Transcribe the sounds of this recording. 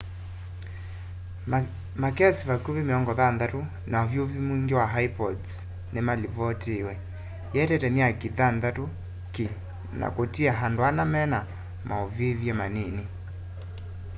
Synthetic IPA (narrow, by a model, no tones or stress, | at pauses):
makɛsivakoβemeɔŋɡɔðanðato | naovjovimuiŋɡewaɦaipɔds | nemalivɔtewɛ | jɛtɛtɛmiakiðandato | ki | na̰kotiaɦandoanamɛna | mʔaovevjɛmaneni